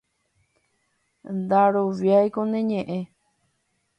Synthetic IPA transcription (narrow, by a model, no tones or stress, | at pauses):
nd̪aɾoʋjajkonẽɲẽʔẽ